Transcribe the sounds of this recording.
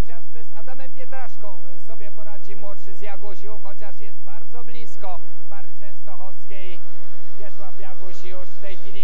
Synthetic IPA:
xɔt͡ɕaʐbɘzad̪amɛmpʲjɛt̪ɾaʂkɔ̃w̃ | sɔbʲjɛpɔɾad͡ʑimɔʂɘzjaɡuɕuxɔt͡ɕaʂjɛsdt̪̚baɾd̪zɔblʲiskɔ | paɾt͡ʂɛ̃st̪ɔxɔfskʲej | jʲɛswafjaɡuɕjuʂft̪ɛjxʲilʲi

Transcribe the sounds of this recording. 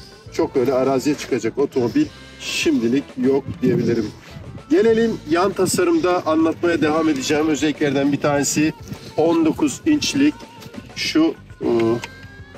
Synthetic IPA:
t͡ʃʰo̞k̚bø̞jlʲɛaɾaːzijat͡ʃʰɯ̥kʰad͡ʒako̞t̪ʰo̞mo̞bilʲ | ʃimd̪ilʲicjok̚d̪ije̞bilʲiɾim | ɟe̞lʲe̞lʲinjant̪ʰasaɾɯmd̪aʔanlˠat̪̚majad̪e̞vame̞d̪id͡ʒɛːmø̞zelʲːiclʲæɾd̪ænbit̪ʰaːnesɪo̞nd̪o̞kʰuzint͡ʃlʲic | ʃu

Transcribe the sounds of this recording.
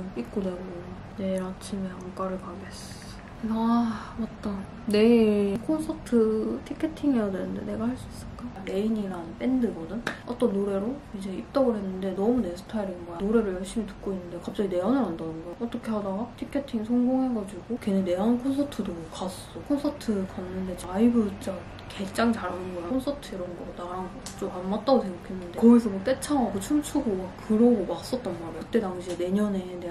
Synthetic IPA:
ik͈odeɡo | ne̞ɾat͡ɕʰimeʌŋk͈aɾɯɭkaɡes͈o | kɯsʰa | ʌt͈ʌnː | e̞kʰonsʰʌtʰɯtʰikʰːe̞tʰiŋiadenɯnde̞̰ne̞ɡahaɭs͈uis͈ɯɭk͈aɾe̞iniɾanp͈endɯɡʌnɯnʌt͈ʌnːoɾe̞ɾoid͡ʑe̞ip̚t͈ʌɡɯɭɦe̞nːɯnde̞nʌmune̞sʰɯ̥tʰaiɾimojanoɾe̞ɾɯɭjʌɭɕ͈imitɯ̥k̚k͈oinːɯndekap̚t͡ɕ͈aɡine̞ʌnɯɾandʌnɯnɡoʌt͈ʌkʰe̞ɦadaɡatʰikʰe̞tʰiŋsʰʌŋɡoŋɦeɡʌd͡ʑiɡ̥okenene̞ʌnkʰons̬ʰʌtʰɯdokass͈okʰonsʰʌtʰɯkanːɯnde̞t͡ɕaaibɯt͡ɕa | ket͡ɕ͈aŋt͡ɕaɾanɯnɡʌjakʰonsʰʌtʰɯiɾʌnɡʌdaɾanɡʌt͡ɕ͈omanmat͈aɡotʰemokʰenːɯndeʌɡis̬ʰʌbot͈e̞t͡ɕʰaŋɦaɡot͡ɕʰumt͡ɕʰuɡomak͈ɯɾʌɡomaks͈ʌt̚t͈ʌnmaɾejokɯt͈e̞taŋɕʰiene̞ɲʌne̞ne

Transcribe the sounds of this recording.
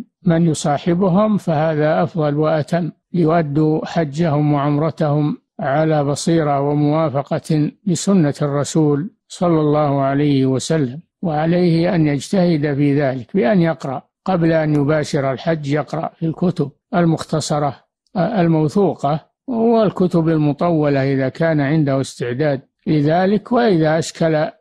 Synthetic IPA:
manjʊsˤɑːħɪbʊɦʊmfahaːðaʔɑfðˤɑlwaʔat̪amː | lɪjʊʔad̪ːuħad͡ʒːahʊmwaʕʊmɾˤɑt̪ahʊm | ʕalaːbɑsˤiːɾɑwɪmʊwaːfɑqɑlɪsʊnːarˤːɑsuːl | sˤɑlːɑlˤːɑːhʊʕalajhɪwasalːam | waʕalajhɪʔanjad͡ʒt̪ahɪd̪afiːðaːlɪkbɪʔanjɑqɾˤɑ̰ʔ | qɑblaʔanjʊbaːʃɪɾalħad͡ʒːjɑqɾˤɑ̰ʔfilkʊt̪ʊb̚almʊxt̪ɑsˤɑɾˤɑ | almawθuːqɑ | wɪlkʊt̪ʊbalmʊt̪ˤɑwːɑlaʔɪðakʰaːnaʕɪnd̪ahʊɪst̪ɪʕd̪aːd̪̚ | lɪðaːlɪkwaʔɪðaʔaʃkala

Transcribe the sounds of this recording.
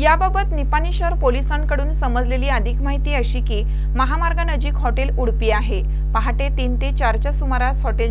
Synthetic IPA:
jababət̪nipaniɕəɾpolisənkəɽuːnsəməd͡zleliːəd̪ʱikmaɦit̪iːəɕiːkiː | məɦamaɾɡanəd͡ʑiːkɦɔʈeluɽpiːaɦe | paɦaʈet̪int̪et͡ɕaɾt͡ɕasumaɾasɦɔʈel

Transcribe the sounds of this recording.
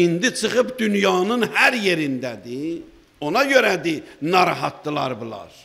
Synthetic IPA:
ind̪it͡ʃʰɯχɯpd̪ynjɑːnɯnhæɾje̞ɾind̪æd̪i | o̞nɑɟøɾæd̪inɑɾɑɦɑt̪ːɯlˠɑ̰ɾbulˠɑ̰ɾ̥

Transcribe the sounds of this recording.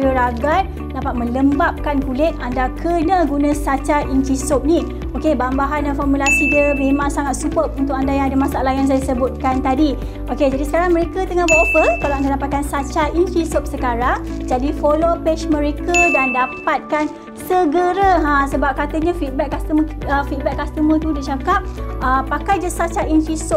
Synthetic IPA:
əɾaɡat̪̚ | dapat̪̚mə̃ləmbap̚kankulɪt̪̚andakʰənaɡunasat͡ʃaʔint͡ʃisop̚ni | okebambaɦandanfɔrmulasidiəmẽmãŋsaŋat̪̚supəp̚unt̪ʊk̚andajaŋadəmasaalahjaŋs̬ajadsəbʊt̪̚kant̪adi | ʔoked͡ʒadisə̥kaɾaŋmə̃ɾekat̪əŋabaʔopəkalaandadapat̪̚kansat͡ʃaʔint͡ʃisop̚səkaɾaŋd͡ʒadifolopeʃmə̃ɾekədandapat̪̚kan | səɡəɾəɦãsəbap̚kat̪əɲafit̪̚bɛk̚ːast̪əməəfit̪̚bɛkːast̪əmət̪udit͡ʃakap̚əpːakajd͡ʒasat͡ʃaʔint͡ʃisop̚

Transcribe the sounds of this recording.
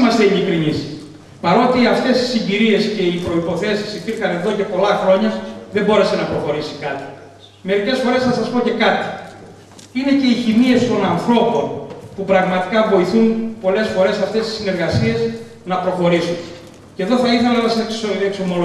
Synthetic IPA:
mɐst̪eiʎikɾinis | pɐɾo̞t̪iɐft̪e̞si̥siɲɟiɾie̞sce̞ipɾo̞ipo̞θe̞sisipiɾxɐne̞ðo̞ce̞po̞lɐxɾo̞ɲɐðembo̞ɾe̞se̞nɐpɾo̞xo̞ɾisi̥kɐt̪i̥ | me̞ɾice̞sfo̞ɾe̞sθɐsɐspo̞ce̞kɐt̪i̥ | ine̞ce̞içimie̞st̪o̞nɐnθɾo̞po̞npupɾɐɣmɐt̪i̥kɐvo̞iθunpo̞le̞sfo̞ɾe̞sɐft̪e̞st̪i̥sine̞ɾɣɐsie̞s | nɐpɾo̞xo̞ɾisun | ce̞ðo̞θɐiθɐloɐskekso̞mo̞lo

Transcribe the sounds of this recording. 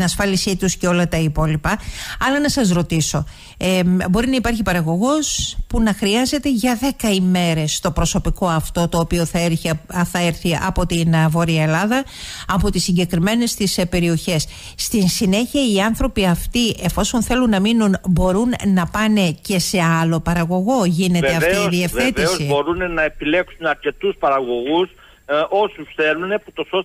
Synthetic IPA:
nɐsfɐlisit̪usceo̞lɐt̪ɐipo̞lipɐɐlɐnɐsɐzɾo̞t̪iso̞ | bo̞ɾinɐipɐɾçipɐɾɐɣo̞ɣo̞spunɐxɾiɐze̞t̪e̞ʝɐðe̞kɐime̞ɾe̞st̪o̞pɾo̞so̞piko̞ɐft̪o̞t̪o̞ːpio̞θɐeɾθɐeɾθiɐ̰po̞t̪invo̞ɾiɐelɐðɐ | ɐpo̞t̪isːiɲɟe̞kɾime̞ne̞st̪ispe̞ɾio̞çe̞sː | t̪insine̞çiɐiɐnθɾo̞piɐft̪iʔe̞fo̞so̞nθe̞lunːɐminunbo̞ɾunnɐpɐne̞ce̞se̞ɐlo̞pɐɾɐɣo̞ɣo̞ʝine̞eɐft̪iiðiefet̪isozibo̞ɾunenɐepile̞ksunɐɾce̞t̪uspɐɾɐɣo̞ɣus | o̞susθe̞lune̞ut̪o̞sos

